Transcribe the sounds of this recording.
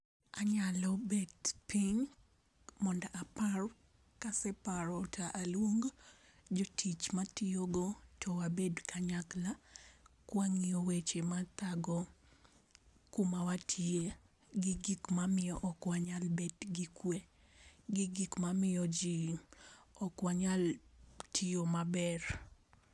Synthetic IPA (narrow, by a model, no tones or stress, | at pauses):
aɲalɔbetpiɲ | mɔndaʔaparɔ | kasɛpaɾɔtʰaʔalwoŋɡ | d͡ʒotʰit͡ʃmatioɡotʰɔwabedkʰaɲaklakwaŋiowet͡ʃemat̪aɡɔ | kumawatʰie | ɡɪɡikmamɪɔʔɔkwaɲalbetɡikwe | ɡɪɡikmamɪjɔd͡ʒi | ɔkwaɲaltʰiomabɛr